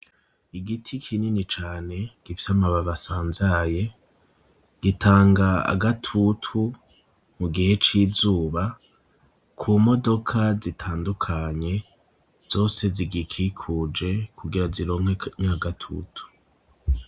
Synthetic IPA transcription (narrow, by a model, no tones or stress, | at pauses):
iɡitʰikʰininit͡ʃaːne̞ɡ̥ifi̥samaβaβasaːnzaje̞ | ɡ̥itʰaːŋɡaa̰ɡatʰutʰu | muɡihe̞t͡ʃizuːβa | kʰuːmo̞do̞kʰazitʰaːndukʰaɲe̞ | z̥o̞ːse̞ziɡikʰikʰud͡ʒe̞kʰuɡiɾaziɾo̞ːŋhweɲaaɡatʰṵtʰu̥